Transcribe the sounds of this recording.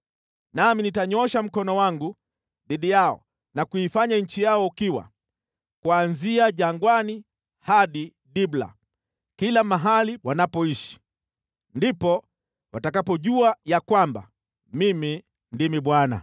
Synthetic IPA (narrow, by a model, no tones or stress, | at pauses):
naminitaɲɔʃam̩kɔnɔwaŋɡu | ðiɗijaɔ̰ | nakuifaɲaɲ̩t͡ʃijaɔukiwa̰ | kuanziaʄaŋɡwani | haɗi | ɗibla̰ | kilamaɦaliwanapɔiʃi̥ | ndipɔ | watakapɔʄuajakwamba̰ | mimi | ndimiɓwana̰